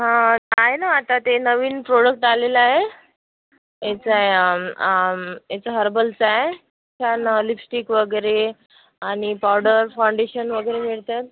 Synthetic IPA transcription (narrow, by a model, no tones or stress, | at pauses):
ɦãaɦenaːt̪at̪enəʋiːnpɾoɽək̚ʈalelaɦe | jet͡saɦe | et͡səɦəɾbəlt͡saɦe | t͡ɕʰanlipsʈikʋəɡəɾe | aɽ̃ipawɽəɾfawɳɖeɕənʋəɡəjɾemiɭt̪jat̪̚